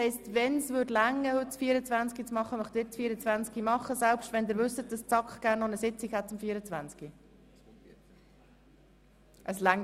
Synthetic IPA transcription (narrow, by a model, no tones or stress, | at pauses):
hɛɪstʋɛnsʋʏɾdlæŋːəhɵtt͡sfiːəɾət͡svænt͡skit͡smɑχːəmœχtd̥ɪtt͡sfiːɾət͡svænt͡skimɑχːəsɛlpʃtʋɛnd̪ɪːɾʋɵsət̚d̥ɑst͡sɑkχɡ̥æːrnːɔnəsɪt͡sikhɛt̚ːəmfiːəɾət͡svænt͡ski | ʔəslæŋ